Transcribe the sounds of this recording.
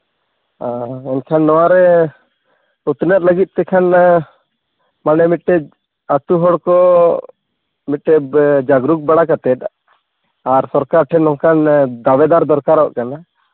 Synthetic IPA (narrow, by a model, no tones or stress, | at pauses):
aɛnkʰanːɔwaɾɛ | ut̪nət̪̚ləɡit̪̚ˀt̪ɛkʰan | manɛmit̪ʈɛ | at̪uɦɔɽkɔ | mit̪̚ʈɛd͡ʒaɡɾuk̚baɽakat̪ɛt̪̚ | aɾsɔɾkaɾʈʰɛnɔŋkʰand̪awɛd̪aɾd̪ɔɾkaɾɔʔkana